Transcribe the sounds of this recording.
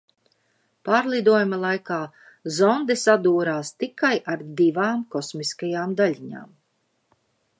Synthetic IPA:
paːɾlˠid̪uɔjumalˠajkaː | zɔnd̪ɛsad̪uːɾaːst̪ikajʔaɾd̪ivaːmkɔsmiskajaːmd̪aʎʲiɲa̰ːm

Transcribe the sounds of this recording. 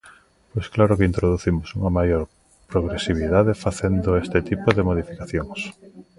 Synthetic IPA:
pojsklaɾokeint̪ɾoðuθimʊsuŋɐmajoɾ | pɾoɣɾesiβ̞iðaðefaθend̪oest̪et̪ipoðemoð̞ifikaθjoŋs

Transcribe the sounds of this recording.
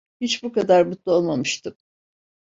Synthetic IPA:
hit͡ʃbukad̪aɾbut̪lˠuo̞lˠmamɯʃt̪ʰɯm

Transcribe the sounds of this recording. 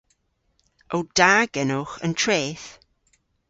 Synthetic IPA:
owd̥aːɡɛnʊxə̰ntʰɹeːθ

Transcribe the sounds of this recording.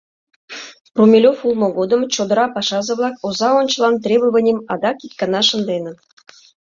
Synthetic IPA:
prumʲelʲofulˠmŏɡod̪ə̆mt͡ɕod̪ə̆ɾɑpɑʃɑzə̆βlˠɑkozɑonʲt͡ɕə̆lˠɑnt̪rʲebəvə̆nʲemɑd̪ɑkit̪̚kɑnɑʃə̆nd̪enə̆

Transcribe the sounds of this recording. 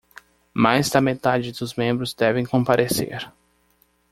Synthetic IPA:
majzd̪ɐmet̪ad͡ʒɪd̪ʊzmẽmbɾʊzd̪ɛvẽj̃kõpaɾʔesḛɾ

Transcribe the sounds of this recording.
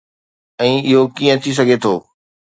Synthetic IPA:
ɛ̃ːɪɦokijə̃t̪ʰis̬ɐɡʱet̪ʰoː

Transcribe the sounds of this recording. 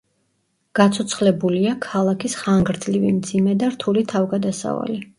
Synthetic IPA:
ɡ̥at̪sʰɔt̪sʰχlɛbuliakʰalˠakʰisχaŋɡɾd̪zlivḭmd̪z̥imɛd̪aɾt̪ʰulit̪ʰavɡad̪asa̰va̰li

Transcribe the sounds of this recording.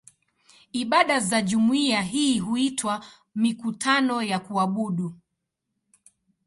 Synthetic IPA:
iɓaɗazaʄumuiaɦiːɦuitʰwa | mikutʰanɔjakuaɓuɗu

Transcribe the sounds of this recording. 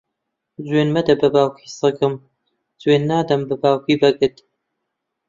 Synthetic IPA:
zweːnmɐd̪ɐbɐbaːwkʰʷiːsɨɡɨm | zweːnːaːd̪ɐmbɨbaːwkiːbɐɡɨt̪

